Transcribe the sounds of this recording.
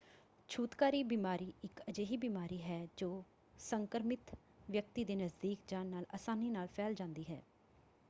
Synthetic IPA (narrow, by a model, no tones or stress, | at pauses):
t͡ʃʰuːt̪kaːɾiːbiːmaːɾiːɪkəd͡ʒeːɦiːbiːmaːɾiːɦɛːd͡ʒoː | səŋkəɾmɪt̪ | ʋjək̚t̪iːd̪eːnəzd̪iːkd͡ʒaːnːaːləsaːniːnaːlpʰɛːld͡ʒãːnd̪iːɦɛ̰ː